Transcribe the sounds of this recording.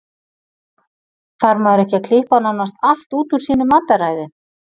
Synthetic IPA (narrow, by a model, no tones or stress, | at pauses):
faɾmaðʏɾɛhcɪaðkʰl̥ɪhpanawnːast̪al̥t̪uːt̪ʏɾ̥siːnʏmant̪aɾaːjðɪ